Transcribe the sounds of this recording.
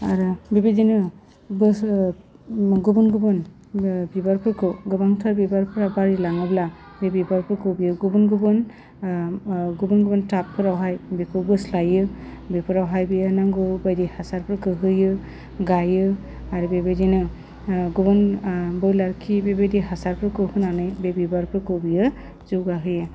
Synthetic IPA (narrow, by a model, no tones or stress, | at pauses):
aɾɯbebedinɯ | bɯs | ɡubunɡubɯn | bibaɾpʰɯɾkʰɯɡɯbaŋtʰaɾbibaɾpʰɯɾabaɾilaŋɯbla | ɾibibaɾpʰɯɾkʰɯbijɡubunɡubɯn | ɡubunɡubɯntap̚ʰɯɾawɦajbipʰɯbɯslajɯ | bepʰɯɾawɦajbɯjanaŋɡɯbajdihasaɾpʰɾɯkɯɦɯjɯ | ɡajɯ | aɾibebedinɯ | ɡubɯnbɯwlaɾkʰibebediɦasaɾpʰɾɯkɯhɯnanɯjbebibaɾpʰɾɯkɯbijɯ | zuɡaɦɯjɯ